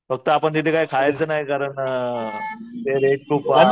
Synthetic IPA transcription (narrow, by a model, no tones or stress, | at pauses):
fək̚t̪əapəɳt̪it̪ʰekaɦikʰajet͡sənaɦikaɾəɳ | t̪eɾek̚ːɾupʋa